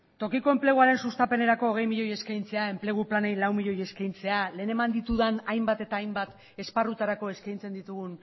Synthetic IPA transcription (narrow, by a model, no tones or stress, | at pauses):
t̪o̞kiko̞emple̞ɣuaɾe̞nsust̪ape̞ne̞ɾako̞ːɣ̞e̞jmiʎo̞je̞skajnt͡se̞ae̞mple̞ɣ̞uplanejlawmiʎo̞je̞skajnt͡se̞ale̞ːne̞mand̪it̪uðanajmbat̪e̞t̪aːjmbat̪ | e̞sparut̪aɾako̞e̞skajnt͡se̞nd̪it̪uɣ̞un